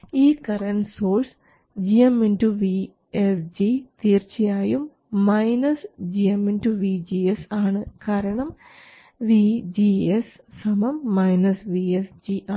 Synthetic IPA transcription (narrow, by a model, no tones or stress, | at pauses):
iːkɐrɐnsoːrs | d͡ʑijɐmːinduʋi | esd͡ʑit̪iːrt͡ɕɐjaːjumː | ɐjnɐsd͡ʑijɐmːenduʋid͡ʑiesaːɳɨkaːɾɐɳɐm | ʋid͡ʑies | sɐmɐmːɐjnɐsʋiesd͡ʑiʔaː